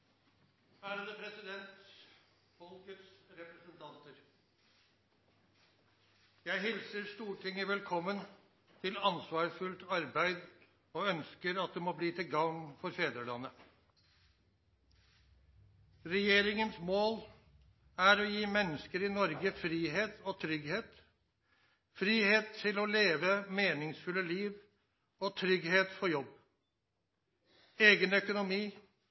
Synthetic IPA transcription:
æːɾəd̪əpʰɾɛsɪd̪ɛnt̪ | fɔlkət̪sɾɛpɾəsənt̪ʰɑnt̪əɾ | jæɪɦɪlsəɾʂt̪uːʈʰɪŋːəʋɛlkʰɔmːən | t̪ʰɪlɑnsʋɑːʂfʉlt̪ɑɾbæɪd̪ | oːœnskəɾɑt̪̚d̪ɛmobliːt̪ʰɪlɡɑŋfɔɾfeːd̪əlɑnːə | ɾɛjeːɾɪŋənsmoːl | æɾɔjiːmɛnːəskəɾɪnɔɾɡəfɾiːheːt̪ɔt̪ʰɾʏɡheːt̪ | fɾiːheːt̪ʰːɪlɔleːʋəmeːnɪŋsfʉlːəliːʋ | ot̪ʰɾʏɡheːt̪fɔɾjɔbː | eːɡənœkʊnʊmiː

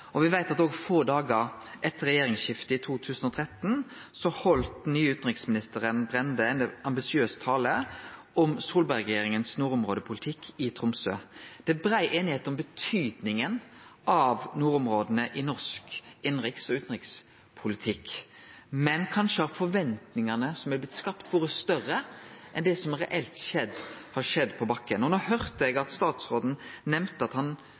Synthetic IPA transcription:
ɔʋɪʋæɪt̪ɑt̪oːɡfɔːd̪ɑːɡəɾʔɛt̪ːəɾɛjeːɾɪŋsçɪft̪əɪt̪ʰuːt̪ʰʉːsən̩ɔt̪ʰʁɛt̪ːn | sɔhɔlt̪nyːʉːt̪n̩ʁɪksmɪnɪst̪əʁənbʁɛnd̪əɛnɑmbɪsɪøːst̪ʰɑːləʔɔmsuːlbæʁɛɡjeːɾɪŋənsnuːɾʊmʁoːd̪əpʰʊlɪt̪ʰɪkʰːɪt̪ʰʁʊmsøːd̪̥ɛbɾæɪʔeːnɪheːt̪nɔmbət̪ʰyːd̪nɪŋənʔɑʋnuːɾʊmʁoːd̪ənəʔɪnɔʁʂkɪnʁɪksɔʉːt̪n̩ʁɪks | pʰʊlɪt̪ʰɪkː | mɛnkʰɑnʃəhɑɾfɔɾʋɛnt̪nɪŋɑnəsɔmɛlblɪt̪skɑpt̪ʰʋoːɾəst̪œɾəʔɛnd̪ɛsɔmɾɛʔɛlt̪ʃɛd̪hɑɾʂɛd̪ːpʰɔbɑkːənɔnoːhœʁt̪əɛɡɑt̪st̪ɑːt̪sʁoːd̪n̩nɛmt̪əɑt̪hɑn

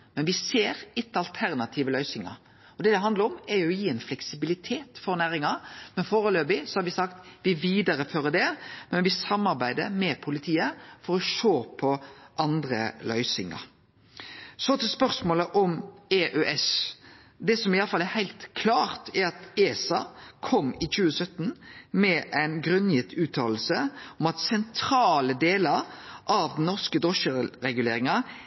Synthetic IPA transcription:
mɛnʋɪseːɾɪt̪ːəɑlt̪ʰæʁnɑt̪ʰiːʋəlœʏsɪŋɑ̰ɾ | ɔd̪ɛd̪ɛɦɑnd̪ləɾɔmɛɾjʊjiːɛnflɛksɪbɪlɪt̪ʰeːt̪fɔɾnæːɾɪŋɑmɛnfoːɾəløːbɪsɔhɑɾʋɪsɑkt̪ʋɪʋiːd̪ɑɾəføːɾəd̪ɛmɛnʋɪsɑmːɑɾbæɪd̪əmɛpʰʊlɪt̪ʰiːəfɔɾɔʃoːpʰɔʔɑnd̪ɾə̰lœʏsɪ̰ŋɑ̰ɾ | sɔt̪əspœʁsmoːləʔɔmeʔøʔɛs | d̪ɛsɔmɪɑlːəfɑlːæhæɪlt̪kʰlɑːʁt̪ʰɛɾɑt̪eːsɑkʰɔmɪt͡ʃʉːəsœt̪ːn̩mɛʔæɪnɡɾʉnːjɪt̪ʰːʉːt̪ʰɑːll̩səɔmɑt̪sɛnt̪ʰɾɑːləd̪eːlɑɾʔɑʋd̪n̩nɔʁskəd̪ɔʃəɾɛɡʉleːɾɪŋɑ

